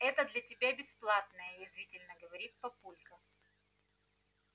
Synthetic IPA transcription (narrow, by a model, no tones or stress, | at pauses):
ɛt̪əd̪lʲɐtʲɪbʲabʲɪsplˠat̪nəjəjɪzvʲitʲɪlʲnəɡəvɐɾʲit̪̚pɐpulʲkə